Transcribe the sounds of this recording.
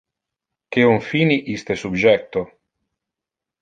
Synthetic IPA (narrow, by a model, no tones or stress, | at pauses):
keoɱfiːniʔist̪esubd͡ʒɛkt̪o